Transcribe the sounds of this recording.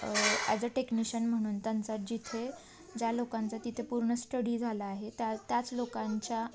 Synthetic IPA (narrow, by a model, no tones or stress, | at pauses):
a̰d͡zəʈekniɕənm̤əɽ̃uːnt̪ant͡sat̪̚d͡ʑit̪ʰe | d͡ʑjalokant͡sat̪it̪ʰepuɾɳəsʈəɽid͡zʱalaːɦet̪at̪jat͡slokãɲt͡ɕa